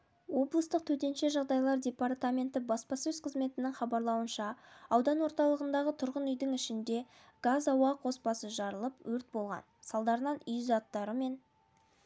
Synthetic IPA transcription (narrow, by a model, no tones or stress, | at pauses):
wo̞blˠəst̪əq̚t̪ʰɵt̪e̞nʃe̞ʒɑʁd̪ɑjlˠɑɾd̪ʲe̞paɾt̪amʲe̞nt̪ɪbɑspɑsɵzqʰəzme̞t̪ɪnɪŋχɑbɑɾlˠɑwənʃɑːwd̪ɑnwo̞ɾt̪ɑlˠəʁənd̪ɑʁət̪ʰʊɾʁənʏjd̪ɪŋɪʃɪnd̪e̞ | ɡ̥azɑwɑqo̞spɑsəʒɑɾəlˠəpwɵɾt̪̚bo̞lˠʁɑ̰nsɑlˠd̪ɑɾənɑnʏjzɑt̪ːɑɾəme̞n